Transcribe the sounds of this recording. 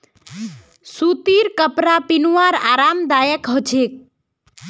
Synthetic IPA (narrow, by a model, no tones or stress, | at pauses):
sut̪iɾkəpɾapinuaɾa̰ːɾamd̪ajəkɦɔt͡ʃʰek̚